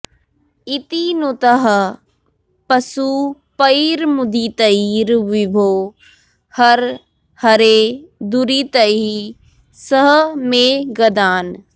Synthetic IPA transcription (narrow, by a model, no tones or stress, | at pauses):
it̪inot̪əɦ | pɐsuːpəiːɾmʊd̪iːt̪ɐiːɾʋibʱoː | hɐɾ | hɐɾeːd̪uɾiːt̪ɐi | səɦəmẽɡɐd̪aːn